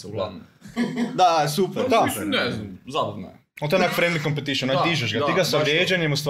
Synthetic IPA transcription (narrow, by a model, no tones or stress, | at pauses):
ɡlan | d̪asupɛd̪anɛzabɐd̪n̰ | olt̪oenakfɾẽnmikompet̪iʃionaiʒeʒɡat̪iɡasaʋɾjeːd͡ʒaɲemust̪ʋ